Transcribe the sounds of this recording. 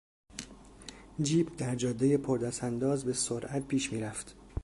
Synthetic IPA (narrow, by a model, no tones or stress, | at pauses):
d͡ʒiːbd̪æɾd͡ʒɒːd̪ːeje̞pʰoɾd̪æsænd̪ɒːzbe̞soɾʔæt̪̚pʰiːʃmiːɾæft̪